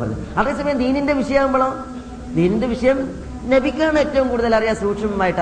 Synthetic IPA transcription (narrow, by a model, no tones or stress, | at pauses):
ɐlːɨ̰ɐd̪e̞ːs̬ɐmɐjɐmd̪iːninde̞ʋiʂɐjɐaːʋumboɭoː | d̪iːninde̞ʋiʂɐjɐm | nɐbikʲːaːɳɨetːɐʋumkuːɽuðɐlɐrijaːsuːʈʂɐmumaːjiʈː